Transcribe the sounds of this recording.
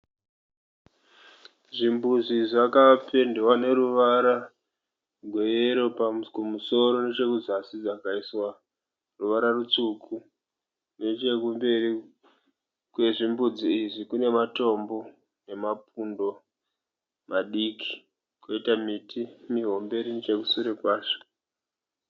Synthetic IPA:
ʐimbud͡ziʐakape̞ndewane̞ɾuʋaɾa | ɡʱwe̞jeɾo̞pakumuso̞ɾo̞ne̞t͡ʃe̞kuzasid͡zakaiswa | ruʋaɾarut͡sukʰu | ne̞t͡ʃe̞kumbe̞ri | kwe̞ʐimbud͡ziiʐikune̞mato̞mbo̞ | ne̞mapundo̞ | mʔaɗiːkʰi̥ | koitamitʰimiɦo̞mbe̞ɾinit͡ʃekusuɾekwaːʃo̥

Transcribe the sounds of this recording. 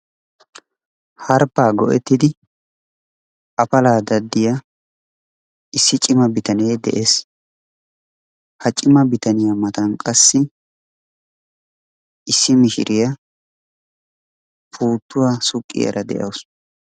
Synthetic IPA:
hɐɾpːaːɡɔ̰ʔɛt̪ːɪd̪ɪ | ɐpɐlaːd̪ɐd̪ːɪja | ʔɪsːɪt͡ʃʼɪmɐbɪt̪ɐneːd̪ɛ̰ʔes | hɐt͡ʃʼɪmɐbɪt̪ɐnɪjɐmɐt̪ɐnkʼɐsːɪ | ʔɪsːɪmɪʃɪ̰ɾɪjɐ | pʰuːt̪ːʊwaːsʊkʼːɪ̰jɐ̰ɾɐd̪ɛ̰ʔɐ̰ws

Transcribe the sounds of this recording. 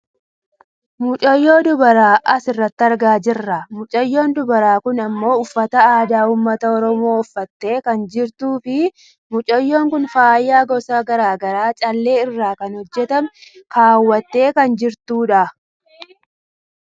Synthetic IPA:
mʊt͡ʃʼɔjːo̞ːd̪ʊbɐɾaːʔɐsɪrːɐt̪ːɪɐɾɡaːd͡ʒɪrːɐmʊt͡ʃʼɐjːo̞ːnd̪ʊbɐɾaːkʊnɐmːo̞ːʊfːɐt̪ɐaːd̪aːuːmːɐt̪ɐɔɾɔmoːʊfːɐt̪ːe̞ːkɐnd͡ʒɪɾt̪uːfɪ | mʊt͡ʃʼɔjːo̞ːŋkʊnfaːjːaːɡɔsaːɡɐɾaːɡɐɾaːt͡ʃʼɐlːe̞ːɪrːaːkɐnhɔd͡ʒːɛt̪ɐmkaːwːɐt̪ːe̞ːkɐnd͡ʒɪɾt̪uːᶑɐ

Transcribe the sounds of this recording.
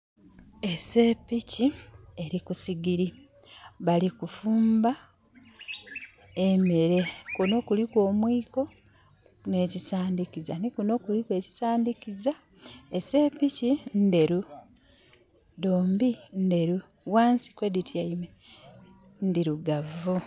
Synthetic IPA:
e̞se̞picie̞ɾikusiɡiɾi | βalikufuːmba | eme̞ɾe̞kuno̞kulikwo̞ːmwiːko̞ | ne̞ːcisaːndikiza̰nikuno̞ːkulikwe̞ːci̥saːndikiza | ese̞picinde̞ɾu | doːmbinde̞ɾu | waːnsi̥kweditʰjaime | ndiɾuɡavu

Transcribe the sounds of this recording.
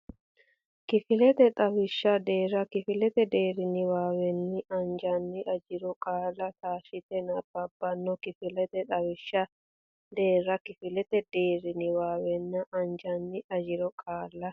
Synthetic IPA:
kɪfɪlɛt̪ɛt̪ʼɐwɪʃːɐd̪eːɾɐkɪfɪlɛt̪ɛd̪e̞ːɾɪnɪwaːwɛnːɪʔɐnd͡ʒɐnːɪʔɐd͡ʒɪɾɔkʼaːlːɐt̪aːʃɪt̪ɛnɐb̥ɐbːɐnːɔkɪfɪlɛt̪ɛt̪ʼɐwɪʃːɐ | d̪e̞ːɾɐkɪfɪlɛt̪ɛd̪̥eːɾɪnɪwaːwɛnːɐʔɐnd͡ʒɐnːɪʔɐd͡ʒɪɾɔkʼaːlːɐ

